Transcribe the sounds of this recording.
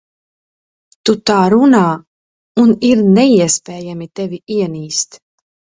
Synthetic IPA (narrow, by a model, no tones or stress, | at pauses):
t̪ut̪aːɾunaː | uniɾnɛiɛspɛːjamit̪ɛviiɛniːst̪